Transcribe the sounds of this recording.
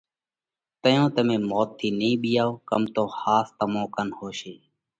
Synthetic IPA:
t̪əjõːt̪əmẽːmoːt̪ʰːiːnĩːɓɪjaːoːkəmt̪oːhaːst̪əmõːkənhoːʃeː

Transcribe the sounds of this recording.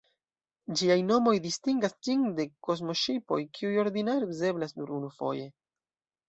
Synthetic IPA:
d͡ʒiajno̞mo̞jdistiŋɡasd͡ʒiŋde̞ko̞zmo̞ʃipo̞̰jkʰiujo̞ɾdinaɾize̞blasnuɾunufo̞̰je̞

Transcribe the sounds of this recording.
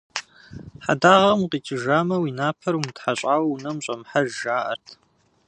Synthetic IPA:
ħa̰daːʁɐmqiːt͡ʃʰʼɪʒaːmɐwiːnaːpʰɐɾumtħaɕʼaːwwunɐmɕʼɐmħaʒʒaːʔɐ̰rtʰ

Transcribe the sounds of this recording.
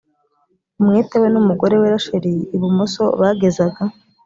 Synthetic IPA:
umŋiːtewenumuɡo̞ɾe̞weɾaʃeɾejeiβumoso̞βaːɡe̞zaɡa

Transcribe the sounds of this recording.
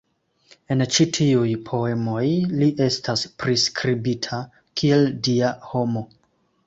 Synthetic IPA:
e̞nt͡ʃitʰiujpʰo̞e̞mo̞jliʔe̞staspɾiskɾibitʰa | kʰie̞ldiaho̞mo̞

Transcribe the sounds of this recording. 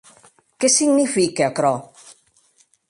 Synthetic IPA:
kesiɡnifikeokɾɔ

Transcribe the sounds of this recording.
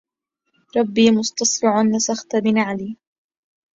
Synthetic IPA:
ɾˤɑbːiːmʊst̪ɑsˤɾɪʕʊnlɪsaxt̪abɪnaʕaliː

